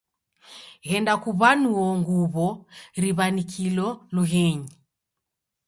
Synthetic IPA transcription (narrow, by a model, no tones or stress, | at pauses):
ɣɛndakuβanuɔŋɡuβɔɾiβanikʰilɔluɦɛɲi